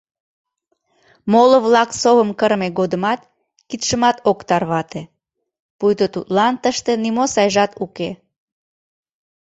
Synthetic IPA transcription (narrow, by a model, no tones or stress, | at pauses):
moləβlɑksoβəmkəɾmeɣod̪əmɑt̪̚ | kit̪ʃəmɑt̪okt̪ɑrβɑt̪e | pujt̪ot̪ut̪lɑnt̪əʃt̪enimosɑjʒɑt̪uke